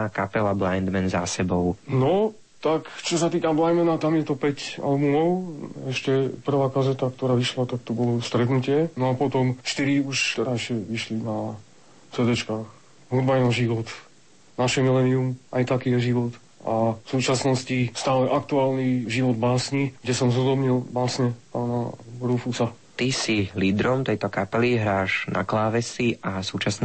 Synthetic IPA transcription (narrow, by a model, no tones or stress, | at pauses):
akapɛlablajnd̪mɛnza̰sɛbɔʊnɔ | t̪akt͡ʃɔsat̪iːkablajnmɛnat̪amjɛt̪ɔpɛca̰lbumɔʊɛʃcɛpr̩ʋaːkazɛt̪akt̪ɔɾaːʋiʃlat̪ak̚t̪ɔbɔlɔst̪ɾɛt̪nucɪɛnɔapɔt̪ɔmʃt̪iɾiuʃt̪ɛɾaɛʃɛʋiʃlina | sɛd̪ɔt͡ʃkaːx | ɦud̪baɛnaʒiʋɔt̪ | naʃɛmilɛniumʔajt̪akiːjɛʒiʋɔt̪ | afsuːt͡ʃasnɔscist̪aːlɛʔak̚t̪uaːlniʒiʋɔd̪baːsɲiɡɟɛsɔmzɦud̪ɔbɲilbaːsɲɛpaːnaɾufusa | t̪isiliːd̪ɾɔmt̪ɛjt̪ɔkapɛliɦɾaːʒnʔa̰klaːʋɛsiasuːt͡ʃasn